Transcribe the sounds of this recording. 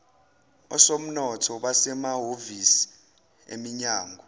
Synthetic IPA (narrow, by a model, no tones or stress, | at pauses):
ɔ̰som̩nɔtʰɔɓasɛmaɦovisi̥ | ḛmiɲaːŋɡʱɔ